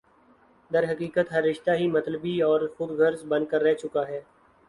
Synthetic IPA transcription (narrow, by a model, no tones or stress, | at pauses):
d̪ɐɾɦɐkiːkət̪ɦɐɾːɪʃt̪aɦimɐt̪ləbiɔːɾxʊd̪ɡʱɐɾzbɐ̃nd̪̚kəɾːɛɦt͡ʃʊkaɦɛː